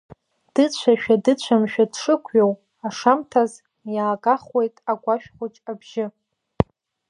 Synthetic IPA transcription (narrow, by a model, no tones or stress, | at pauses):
d̥ɨt͡ɕʷʰaʃᶣadɨt͡ɕʷʰamʃᶣadʂɨkʷʰɥow | aʂamtʰaz | jaːɡʼaχwe̞jtʼaɡʷaʃᶣχʷʊt͡ʃʼabʒɪ